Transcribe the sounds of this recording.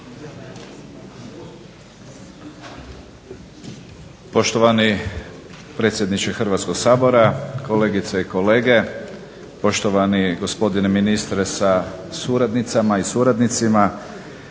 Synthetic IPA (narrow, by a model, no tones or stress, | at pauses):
po̞ʃt̪oʋani | pɾe̞ːt̪sʲje̞d̪nit͡ʃexr̩ʋat̪skoɡsaːbo̞ɾako̞le̞ːɡit̪saiko̞le̞ːɡe̞ | po̞ʃt̪o̞ʋaniɡo̞spo̞d̪ineminist̪ɾesasuːɾad̪nit̪samaisuːɾad̪nit̪sima